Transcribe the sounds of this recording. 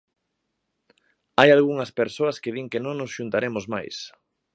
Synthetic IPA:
ajalɣuŋɐspeɾsoɐskeðiŋkenõŋnosʃunt̪aɾemʊzma̰js

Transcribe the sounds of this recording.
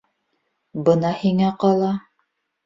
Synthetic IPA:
bɤnɑhiŋæqɑlˠɑ

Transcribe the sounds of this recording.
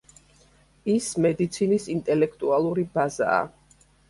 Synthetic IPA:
ismɛd̪it̪sʰinisint̪ʼɛlɛkʰt̪ʼualˠuɾibaza̰ː

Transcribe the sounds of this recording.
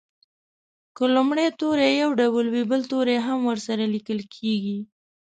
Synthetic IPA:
kəlumɽet̪oɾejawɖawəlwibəlt̪oɾeɦamwəɾsaɾalikəlkʰeɡi

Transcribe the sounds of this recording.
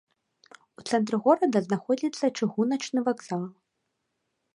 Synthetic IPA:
ut̪sɛnt̪ɾɨɣɔɾɐd̪ɐznaxɔd͡zʲit̪sːɐt͡ʂɨɣunɐt͡ʂnɨvaɡzalˠ

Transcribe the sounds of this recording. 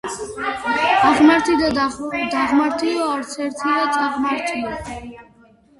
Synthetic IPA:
aʁnaɾt̪ʰid̪ad̪aʁmaɾt̪ʰiɔaɾt̪sʰɛɾt̪ʰilat̪ʼʰaʁmaɾt̪ʰiɔ

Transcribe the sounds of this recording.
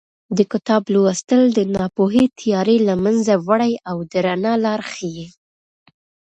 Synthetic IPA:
d̪əkʊt̪ɑblowast̪əld̪ənɑpoɦet̪ʰɪjɑɾelamanzawaɽajawd̪əɾanɑlɑɾxəje

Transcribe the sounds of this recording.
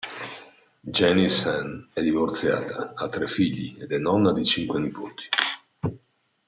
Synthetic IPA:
d͡ʒɛnisanɛd̪ivort̪sja̰ːt̪aːt̪ːɾɛfiʎːḭed̪ɛnɔnːad̪it͡ʃiŋkwenipoːt̪ʰi̥

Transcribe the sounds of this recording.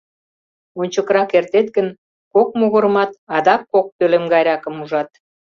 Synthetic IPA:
onʲt͡ɕəkrɑkert̪et̪ɡən | kok̚moɣəɾəmɑt̪ɑd̪ɑkːok̚t̪ølemɡɑjɾɑkəmuʒɑt̪

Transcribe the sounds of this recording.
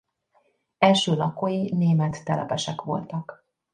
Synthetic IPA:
ɛlʃøːlɒkojineːmɛt̪ːɛlʔɛ̰pɛʃɛkʋo̞̰lt̪ɒk

